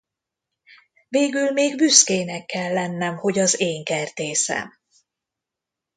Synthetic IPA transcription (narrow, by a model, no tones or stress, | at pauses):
veːɡylmeːɡbyskeːnɛkːɛlːɛnːɛmho̞ɟɒzeːŋkɛrd̪eːsɛ̰m